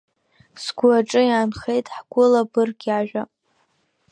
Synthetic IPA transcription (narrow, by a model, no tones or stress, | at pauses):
sɡʷaʈ͡ʂʼɨjaːnχe̞jtʼħɡʷʊlabɨrɡʲaʒᶣa